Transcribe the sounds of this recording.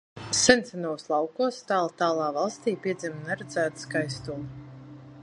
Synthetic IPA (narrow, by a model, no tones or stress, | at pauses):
sɛnt̪sʲɛnuslˠɑwkuɔst̪aːlˠt̪aːlˠaːvɑlˠst̪iːpʲiɛd̪zimnɛɾɛd̪zæːt̪skajst̪ulˠ